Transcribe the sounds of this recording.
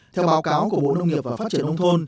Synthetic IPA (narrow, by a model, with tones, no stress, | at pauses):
t̪ʰɛ˧wɓaː˨˦wkaː˨˦wku˧˩əɓo̰˧˨nə˧wŋ͡mŋi˨˩əp̚vaː˨˩faː˦˥t̚t͡ɕḭ˧˩˦nʔə˧wŋ͡mt̪ʰo˧n